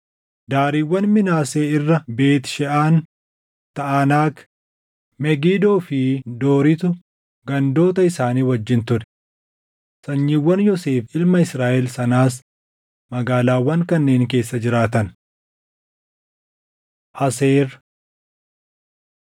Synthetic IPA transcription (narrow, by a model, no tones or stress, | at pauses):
d̪aːɾiːwːɐnmɪnaːseːɪrːɐbe̞ːt̪ʃɛʔaːn | t̪ɐʔanaːk | mɛɡiːd̪oːfɪd̪o̞ːɾɪt̪ʊ | ɡɐnd̪o̞ːt̪ɐɪsaːniːwɐd͡ʒːɪnt̪ʊɾɛ̥ | sɐɲːiːwːɐnjɔse̞ːfɪlmɐɪsɾaːʔɛlsɐnaːs̬ | mɐɡaːlaːwːɐŋkɐnːe̞ːŋk̬e̞ːsːɐd͡ʒɪɾaːt̪ɐn | ʔɐseːɾ